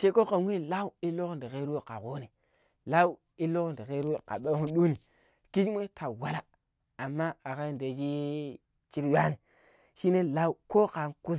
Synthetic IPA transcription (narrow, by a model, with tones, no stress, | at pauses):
t͡ʃe˦ko˦ka˨ŋʷwʷi˦la˦u˦i˦lo˦kndi˨ke˦ɾi˦e˦ka̰˨ko˦ni˨ | la˦wu˦ | i˦lo˦kn˨di˨ke˦ɾu˦e˨ka̰˨ɓe˦u˦ɗu˦ni˨ | ki˦d͡ʒm˦e˦tʰa˨wa˦la˦ | a˨mːa˦a˨ka˦nde˨d͡ʒi˦ | t͡ʃi˦ɾja˦ni˨ | ʃi˦ne˦la˦u˦ko˦ka˨nku˦s